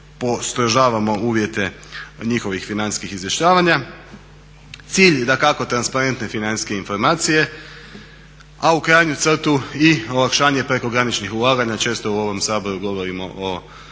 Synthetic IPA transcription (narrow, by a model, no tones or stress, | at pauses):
po̞st̪ɾoʒaːʋamo̞uːʋje̞t̪e̞ | ɲixo̞ʋixfinanskixizʋje̞ʃt͡ɕaːʋaɲa | t̪siːʎd̪akako̞t̪ɾanspaɾe̞nt̪ne̞finanske̞info̞ɾmaːt̪sije̞ | aukɾajɲut̪sr̩t̪uio̞lakʃaːɲe̞pɾe̞ko̞ɡɾanit͡ʃnixulˠaːɡaɲat͡ʃe̞ːst̪o̞uo̞ʋo̞msaːbo̞ɾuɡo̞ʋo̞ɾimo̞̰ʔo